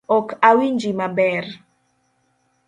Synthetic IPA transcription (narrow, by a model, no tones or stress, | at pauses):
ɔkawind͡ʒimabɛr